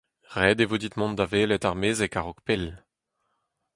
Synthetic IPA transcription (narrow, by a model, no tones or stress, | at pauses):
ʁɛːd̪evod̪it̪mɔ̃nd̪aveːlɛt̪aʁmeːzɛkaʁɔkpel